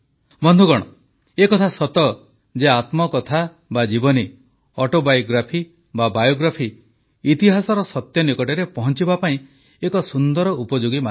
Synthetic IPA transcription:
bɔnd̪ʱuɡɔɽ̃ɔ | ekɔt̪ʰasɔt̪ɔ | d͡ʒeat̪mɔkɔt̪ʰa | bad͡ʒibɔni | ɔʈobajɡɾapʰi | babajoɡɾapʰiː | t̪iɦasɔɾɔsɔt̪jɔnikɔʈeɾepɔɦɔnt͡ʃibapaĩ | ekɔsund̪ɔɾɔupɔd͡ʒuɡima

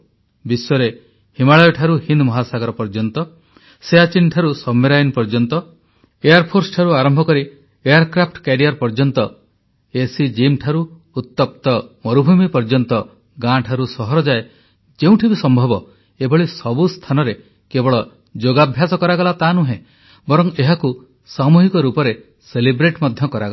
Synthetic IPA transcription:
bisːɔɾe | himaɭɔjɔʈʰaɾuhind̪mɔɦasaɡɔɾɔpɔɾd͡ʒɔnt̪ɔ | seat͡ʃinʈʰaɾusɔmːeɾajnpɔɾd͡ʒɔnt̪ɔ | ejaɾpʰoɾsɔ̥ʈʰaɾuaɾɔmbʱɔkɔɾi | ejaɾkɾapʰʈkeɾiaɾpɔɾd͡ʒɔnt̪ɔ | esid͡ʒimʈʰaɾu | ut̪ːɔp̚t̪ɔmɔɾubʱumipɔɾd͡ʒɔnt̪ɔ | ɡãʈʰaɾusɔɦɔɾɔd͡ʒae | d͡ʒeũʈʰibisɔmbʱɔbɔ | ebʱɔɭisɔbust̪ʰanɔɾe | kebɔɭɔ | d͡ʒoɡabʱjasɔkɔɾaɡɔlat̪anuɦẽ | bɔɾɔŋeɦaku | samuɦikɔɾupɔɾe | selibɾeʈmɔd̪ʱjɔkɔɾa̰ɡɔ

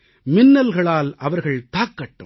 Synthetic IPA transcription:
mɪnːɐlɣɐɭaːlʔɐʋɐɾɣɐɭt̪aːkːɐʈːɯ̰m

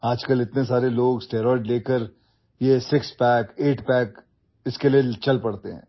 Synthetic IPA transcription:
aːd͡ʒkəlɪt̪nes̬aːɾeloːɡsʈeːɾɔːɪɖleːkəɾ | jesɪkspɛːkeːʈpɛːk | ɪskelijet͡ʃɐlpɐɽt̪eɦɛ̰̃ː

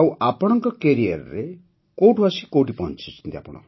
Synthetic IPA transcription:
wapɔɽ̃ɔŋkɔkeɾijɔɾɾe | kowʈʰbasikowʈipɔnt͡ʃʰit͡ʃʰi̥nt̪ia̰pɔɽ̃ɔ̰

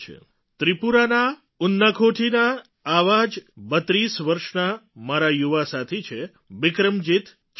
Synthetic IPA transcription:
t͡ʃʰḛ | t̪ɾipuɾana | ʊnːakʰoʈʰinaː | ʋad͡ʒbət̪ɾisʋəɾʃnamaɾajuʋasat̪ʰet͡ʃʰe | bɪkɾəmd͡ʒit̪ | t͡ʃ

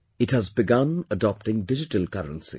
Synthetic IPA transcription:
ɪthæzbɪɡãnədɔp̚ʈɪ̃ŋɖɪd͡ʒɪʈəlkʌɾə̰̃nsḭ

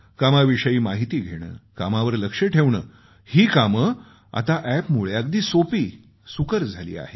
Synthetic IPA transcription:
kamaʋiʂəjiːmaɦit̪iːɡʱeɽ̃ə̰ːkamaʋəɾləkʂeʈʰeʋɳəː | hiːkamə | a̰t̪aʔæpmuɭjak̚d̪iːsopiː | sukəɾd͡zʱalḭːa̰he

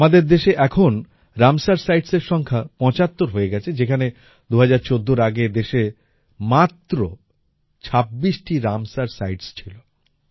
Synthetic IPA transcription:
amad̪eɾd̪eʃeʔɛkʰon | ɾamsaɾsajɖseɾʃɔŋkʰapɔ̃t͡ɕat̪ːoɾɦoeɡɛt͡ɕʰed͡ʑekʰane | d̪uɦad͡ʑaɾt͡ɕod̪ːoɾaɡed̪eʃe | mat̪ːɾo | t͡ɕʰabːiʃʈiɾamsaɾsajɖst͡ɕʰilo

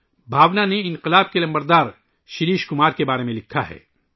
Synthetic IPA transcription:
bʱaːʋnaneɪ̃nqɪlaːb̚kelɐ̃mbəɾd̪aːɾ | ʃɪɾiːʃkʊmaːɾkebaːɾemẽlɪkʰːaɦɛ̰ː

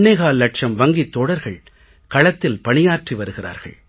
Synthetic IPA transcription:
ɳːeːɣaːlːɐʈ̚t͡ʃɐmʋɐŋɡit̪ːoːɽɐɾɣɐɭ | kɐɭɐt̪ːɪlpɐɳɪjaːɾʈriʋɐɾɯɣɪra̰ːɾɣɐ̰ɭ

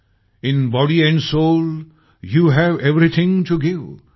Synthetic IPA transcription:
ɪ̃nbɔɾiɛ̃ɳɖsol | juɦæʋɛvɾit̪ʰɪ̃ŋtuɡɪʋ

